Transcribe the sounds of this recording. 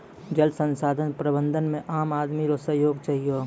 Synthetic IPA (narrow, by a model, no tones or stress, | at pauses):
d͡ʒəlsə̃nsaːd̪ʱənpɾəbə̃nd̪ʱənmẽʔaːmaːd̪miɾosəɦjoːɡt͡ʃaɦijo